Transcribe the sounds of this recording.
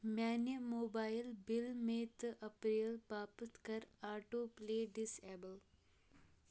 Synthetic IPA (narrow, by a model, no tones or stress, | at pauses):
mʲaːnəmoːbaːjlbilmeːt̪ʔɐpɾeːlpaːpɨt̪kɐɾaːʈoːpleːɖisɛːbəl